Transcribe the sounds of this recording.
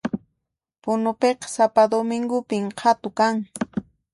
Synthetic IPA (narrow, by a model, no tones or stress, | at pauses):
pʊnʊpeqɑ̥sapad̪omɪŋɡʊpɪmqʰat̪ʊkaŋ